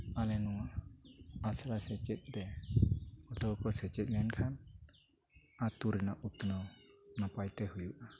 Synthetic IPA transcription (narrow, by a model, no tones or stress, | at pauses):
alɛnuŋaː | saɾasɛt͡ʃɛt̪̚ˀdɛ | ɔtɔkɔsɛt͡ʃɛt̪̚lɛnkʰan | at̪uɾɛnaʔut̪nɔwnapajt̪ɛhujuʔa